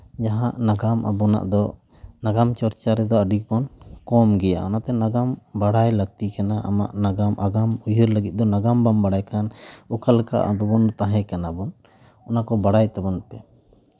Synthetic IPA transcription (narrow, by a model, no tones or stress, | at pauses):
d͡ʒaɦaʔnaɡamʔa̰bɔna̰ʔd̪ɔ | naɡamt͡ʃɔɾt͡ʃaɾɛd̪ɔəɖik̚bɔnkɔmɡɛja̰ɔnat̪ɛnaɡambaɽajləɡt̪ikanaʔa̰ma̰ʔnaɡamaɡamujuɾləɡit̪̚d̪ɔnaɡambambaɽajkanukalka̰ʔa̰d̪ɔbɔnt̪aɦɛ̃kanabɔn | ɔnakɔbaɽajt̪abɔnpɛ